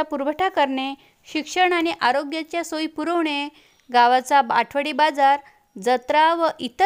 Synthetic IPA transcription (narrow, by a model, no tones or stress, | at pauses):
apuɾbʱəʈʰakəɾɳe | ɕikʂəɳaɽ̃iʔaɾoɡjat͡ɕjasojpuɾəʋɳe | ɡaʋat͡saba̰ʈʰʋəɽibad͡zaɾ | d͡zət̪ɾaʋəʔit̪ə